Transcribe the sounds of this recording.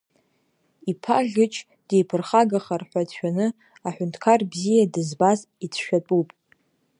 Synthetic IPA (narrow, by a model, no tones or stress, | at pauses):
ipʰaʒʲɨt͡ʃʰʼ | d̥ejpʰɨrχaɡaχarħʷat͡ɕʷʰᶣanɨ | aħʷᶣʊntʰkʰarbzijadɨzbaz | it͡sʰʃᶣatʼupʼ